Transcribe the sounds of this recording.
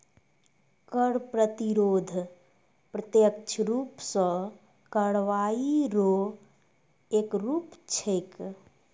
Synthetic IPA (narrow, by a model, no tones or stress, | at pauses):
kəɽpɾət̪iɾoːd̪ʱ | pɾət̪jəkt͡ʃʰɾuːpsə̃ | kəɽʋaiɾo | ekɾuːpt͡ʃʰejk